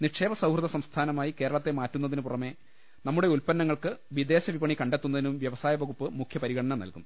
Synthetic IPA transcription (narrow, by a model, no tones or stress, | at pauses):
niʈʂe̞ːbɐsɐwhrɨðɐsɐmst̪ʰaːnɐmaːjike̞ːɾɐɭɐt̪ːe̞maːtːunːɐðinɨpurɐme̞ | nɐmːuɽe̞ulpɐnːɐŋːɐɭkɨʋid̪e̞ːɕɐʋibɐɳikɐɳɖe̞t̪ːunːɐðinumʋjɐʋɐsaːjɐbɐɣupːɨmukʰjɐpɐɾiɣɐɽɐnɐmnɐ̰lkunː